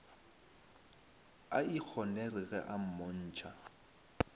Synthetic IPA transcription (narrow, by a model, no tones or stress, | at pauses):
aik͡xʰɔnɛrɪɣɛ̰ʔam̩mon̩ːt͡ʃʰa